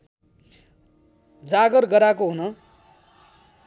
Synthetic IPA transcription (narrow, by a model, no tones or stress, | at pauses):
d͡zaɡʌrɡʌɾakoɦunʌ